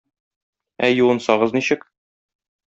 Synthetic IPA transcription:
æjuwɤ̆nsɑʁɤzniɕɘk

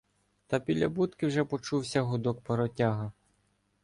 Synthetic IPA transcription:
t̪ɐpʲid̪lʲɐbut̪kɪwʒɛpɔt͡ʃuwsʲɐɦʊd̪ɔk̚peɾɔtʲaɦɐ

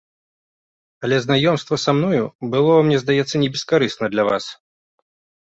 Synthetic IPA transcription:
ɐlʲɛznajɔmst̪vɐsamnɔjubɨlˠɔmnʲɛzd̪ajɛt̪sːɐnʲɛbʲɛskaɾɨsnɐd̪lʲava̰s

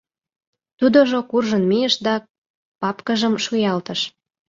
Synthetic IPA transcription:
t̪ud̪oʒokurʒə̆nmijəʃd̪ɑ | pɑpkəʒəmʃujɑlt̪ə̆ʃ

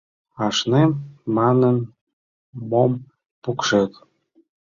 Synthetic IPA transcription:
ɑʃnemmɑnən | mom | pukʃek̪

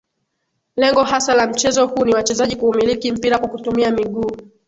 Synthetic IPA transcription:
lɛŋɡɔhasalam̩t͡ʃɛzɔhuːniwat͡ʃɛzaʄikuːmilikim̩piɾakwakutumiamiɠuː

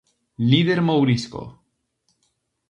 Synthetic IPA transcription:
liðeɾmowɾisko̰

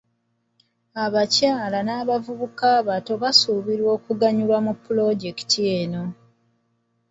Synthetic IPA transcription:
aβacaːlanaːβavuβukaːβato̞βasuβiɾwo̞ːkuɡaɲulwamupːulo̞ɟe̞ki̥tʰieno̞

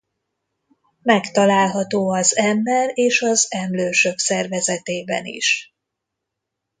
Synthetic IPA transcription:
mɛkt̪ɒlaːlɦɒt̪oːɒzɛmbɛɾeːʃɒzɛmløːʃø̞ksɛrvɛzɛt̪eːbɛ̰nḭʃ

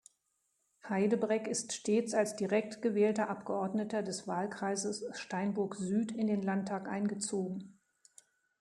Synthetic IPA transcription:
haɪdəbʁɛçɪstʃteːt͡salsd̥iʁɛk̚tɡ̥əvɛːltɐʔapɡ̥əɔɐdnətɐdɛsv̥aːlkʁ̥aɪzəsʃtaɪnbʊɐkzyːtɪndeːnlantʰːaːkʔa̰ɪnɡət͡soːɡŋ̩

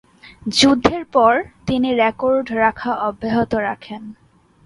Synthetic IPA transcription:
d͡ʑud̪ʱːeɾpɔɾt̪iniɾekoɾɖɾakʰaɔbʱːeɦot̪oɾakʰen

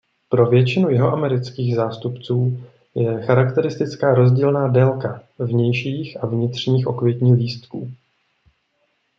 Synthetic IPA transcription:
pɾo̞vjɛt͡ʃɪnujɪɦo̞ʔamɛɾɪt͡skiːɣzaːst̪upt͡suː | jɛxaɾakt̪ɛɾɪst̪ɪt͡skaːɾo̞zɟiːlnaːdɛlkavɲɛjʃiːxʔavɲɪt̪r̝̥ɲiːxʔo̞kvjɛcɲiːxliːst̪kuː

